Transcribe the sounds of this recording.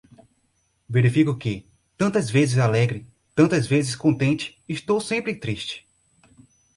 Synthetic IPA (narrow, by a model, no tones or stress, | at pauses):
veɾifikʊkɪ | t̪ɐ̃nt̪ɐzvezɪzalɛɡɾɪ | t̪ɐ̃nt̪ɐzvezɪskõnt̪ẽnt͡ʃɪ̥ːst̪owsẽmpɾɪt̪ɾiʃt͡ʃɪ̥